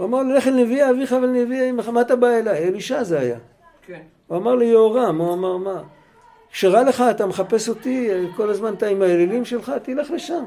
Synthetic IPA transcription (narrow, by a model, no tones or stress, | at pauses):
uamaʁlileχelneviaːviχavalneviaimmat̪abaelajeliʃazeaja̰ | uamaʁlijeoʁamuamaʁma | kʃeʁale̞χaːt̪ameχape̞so̞t̪iko̞lazmant̪aimaelilimʃe̞lχat̪ileχle̞ʃam